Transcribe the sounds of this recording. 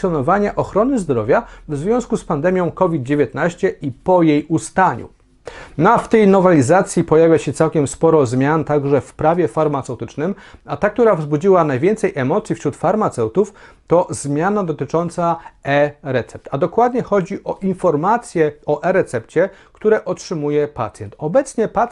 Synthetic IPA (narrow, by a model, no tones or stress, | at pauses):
sjɔnɔvaɲaʔɔxɾɔnɘzd̪ɾɔvʲjavzvʲjɔ̃w̃skuspand̪ɛmʲjɔ̃w̃kɔvʲid̪̚d͡ʑevʲjɛt̪naɕt͡ɕɛʔipɔjejust̪aɲṵ | nɔaft̪ɛjnɔvalʲizat̪sʲjipɔjavʲjaɕɛt̪sawkʲɛmspɔɾɔzmʲjant̪aɡʐɛfpɾavʲjɛfaɾmat̪sɛwt̪ɘt͡ʂnɘmat̪ak̚t̪uɾavzbud͡ʑiwanajvʲɛnt̪sɛjʔɛmɔt̪sʲjifɕɾut̪faɾmat̪sɛwt̪uft̪ɔzmʲjanad̪ɔt̪ɘt͡ʂɔnt̪saɛɾɛt̪sɛp̚t̪ʰad̪ɔkwad̪ɲɛxɔd͡ʑiʔɔʔinfɔɾmat̪sʲjɛɔʔɛɾɛt̪sɛp̚t͡ɕɛkt̪uɾɛʔɔtʂɘmujɛpa̰t̪sʲjɛnt̪ɔbɛt̪sɲɛpa